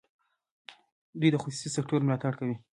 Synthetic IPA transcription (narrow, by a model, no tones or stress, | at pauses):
d̪wujd̪əxosu̥sisɪk̚ʈəɾmlɑt̪aɽkawi